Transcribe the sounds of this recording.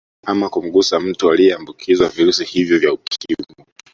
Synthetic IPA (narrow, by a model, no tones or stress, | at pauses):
amakum̩ɠusam̩tualiɛambukʰizwaviɾusihivjɔvjaukʰimu